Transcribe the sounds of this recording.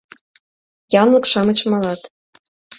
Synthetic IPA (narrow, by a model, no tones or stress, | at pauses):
jɑnlɤ̆kʃɑmɤ̆t͡ɕmɑlɑt̪